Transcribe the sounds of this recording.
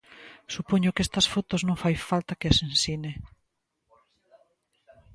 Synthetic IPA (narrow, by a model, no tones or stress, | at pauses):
supoɲʊkest̪ɐsfot̪oznõŋfajfalt̪ɐkeasẽnsine